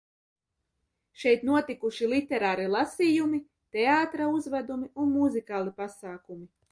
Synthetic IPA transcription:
ʃɛjt̪nuɔt̪ikuʃilˠit̪ɛɾaːɾilˠasiːjumi | t̪eaːt̪ɾauzvad̪umiunmuzikaːlˠipasaːkumi

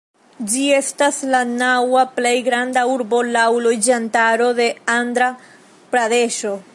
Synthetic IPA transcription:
d͡ʒie̞staslanawaplejɡɾandauɾbo̞lawlod͡ʒantaɾo̞de̞and̪ɾa | pɾaðe̞ʃo̞

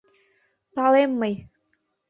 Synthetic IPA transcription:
pɑlemːəj

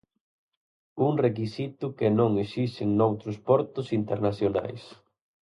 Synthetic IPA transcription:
uŋrekisit̪ʊkɪnõŋeʃiʃɪŋnowt̪ɾʊspɔɾt̪ʊsint̪eɾnaθjona̰js

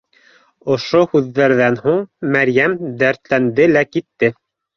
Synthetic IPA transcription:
ŏʃohʉðːæɾðænhuɴmæɾjæmd̪æɾt̪lænd̪ɘlækit̪ːɘ

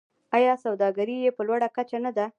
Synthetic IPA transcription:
ajɑsawd̪ɑɡaɾijepəlwaɽakat͡ʃanad̪a

